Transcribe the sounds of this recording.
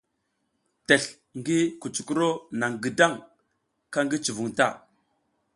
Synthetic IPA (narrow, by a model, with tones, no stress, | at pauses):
te˨ɬ | ŋɡi˦ku˨t͡ʃu̥˨ku˦ɾo˦na˨ŋɡə˨da˦ŋ | ka˦ŋɡi˦t͡ʃu˨vu˨ŋta˦˨